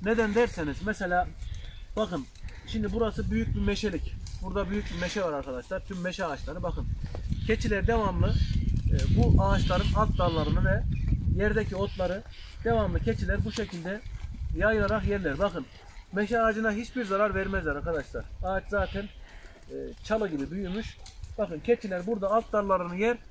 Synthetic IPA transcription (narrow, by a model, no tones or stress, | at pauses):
ned̪ænd̪æɾsenizmɛselʲaːbaxɯn | ʃimd̪ibuɾasɯbyjyc̚bimeʃelʲicb̥uɾd̪abyjyc̚bimeʃɛvaɾaɾkʰad̪aʃlˠaɾt̪ʰymːeʃɛaːt͡ʃlˠaɾɯbaxɯncʰet͡ʃʰilʲɛɾid̪evamlˠɯ | buʔaːt͡ʃlˠaɾɯnat̪̚d̪alˠaɾɯnɯvɛjɛɾd̪ɛcʰio̞t̪lˠaɾɯd̪evamlˠɯcʰet͡ʃʰilʲæɾbuʃecʰilʲd̪ɛjajɯlˠaɾaqjɛɾlʲæɾbaxɯn | meʃɛaːd͡ʒɯnaɦit͡ʃbiɾzaɾaɾvɛɾmɛzlɛɾaɾkʰad̪aʃlˠaɾ̥aːt͡ʃzaːt̪ʰɛnː | t͡ʃʰalˠɯɟibibyjymyʃb̥axɯncʰet͡ʃʰilʲæɾbuɾd̪aːlˠt̪̚d̪aɾlˠaɾɯnɯjɛɾ